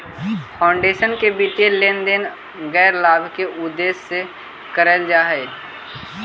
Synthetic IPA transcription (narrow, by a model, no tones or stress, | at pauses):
pʰaːʊ̃ɳɖeːʃənkebiːt̪eleːnd̪en | ɡɛːɾlaːbkeʔʊd̪ːeːsːe | kəɾəld͡ʒaːɦɛː